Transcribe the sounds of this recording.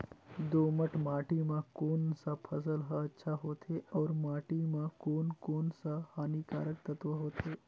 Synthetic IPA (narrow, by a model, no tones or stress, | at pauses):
d̪oːməʈʰmaːʈimãkoːnsapʰɐsəlɦaɐtːʃʰaɦoːt̪ʰeɔːɾmaːʈimãkoːnkoːnsahaːnikaːɾək̚t̪ɐt̪ʋəɦoːt̪ʰeː